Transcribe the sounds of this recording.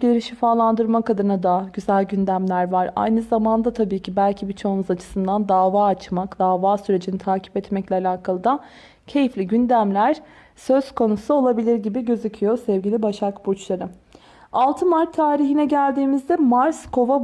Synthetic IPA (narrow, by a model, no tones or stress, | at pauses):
iɾiʃifaːlˠand̪ɯɾmakad̪ɯɯnad̪aɟyzælʲɟynd̪æmlʲæɾvaɾa̰jnɯzamand̪at̪ʰabiːcʰibælʲcʰibit͡ʃʰounuzat͡ʃʰɯ̥sɯnd̪and̪aːvaːat͡ʃmakd̪aːvaːsyɾe̞d͡ʒinit̪ʰaːcʰi̥pɛt̪mɛclʲɛalʲaːkʰalˠɯd̪a | cʰe̞jiflʲiɟynd̪æmlʲæɾ̥ | sø̞z̥kʰo̞nusuo̞lˠabilʲiɾɟibiɟø̞zicʰijosɛvɟilʲibaʃakbut͡ʃlˠaɾɯ | alˠt̪ʰɯmaɾt̪ʰːaːɾiɦinɛɟælʲd̪iːmizd̪ɛmaɾskʰo̞va